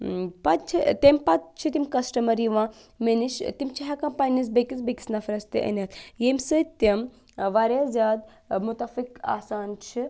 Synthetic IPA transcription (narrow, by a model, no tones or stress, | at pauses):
pɐt̪̚t͡ʃʰit̪emʲpɐt̪̚t͡ʃʰit̪imkɐsʈɐmɐɾiʋãː | meniʃt̪imt͡ʃʰiɦakɐmpaːnʲɐs̬bekisbeki̥snɐfɐɾɐst̪ḭʔɐ̰nʲɦɐt̪ʰjemʲsɨt̪ɐm | ʋaɾʲjaːzʲjaːd̪̚ | mut̪ɐfika̰ːsaːnt͡ʃʰi